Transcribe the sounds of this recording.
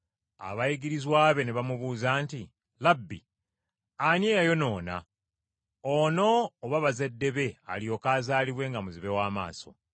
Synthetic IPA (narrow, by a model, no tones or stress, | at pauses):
a̰βajiɡiɾizwaːβe̞ne̞βamuβuːzaːnti | labːḭ | anjeːjajo̞no̞ːna̰ | ono̞ːβaβaze̞dːe̞βe̞a̰lijo̞kaːzaːliβwe̞ːŋɡamuziβe̞waːma̰ːso̞̰